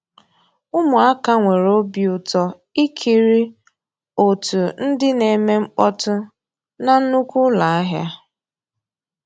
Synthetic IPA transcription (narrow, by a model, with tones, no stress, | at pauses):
ʊ˦mʊ˨a˦ka˦ŋʷe˨ɾo˦bi˨ʊ˨tɔ˨ | i˦kʰi˨ɾi˦ | o˨tu˨n̩˦dɪ˦ne˨me˦mŋ͡m̩˦k͡pɔ˦tʊ˦ | na˦n̩˦nu˦kʷʊ˦la˨a˦ɦja˦